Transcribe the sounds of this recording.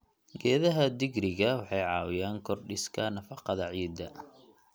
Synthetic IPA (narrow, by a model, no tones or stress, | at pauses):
ɡɛːðɐɦɐd̪ɪɡɾɪɣɐwɑħɑjʕɑːwɪjaːŋkʰɔrɖɪskʰɐnɐfɑqɑðɐʕiːd̪ːɐ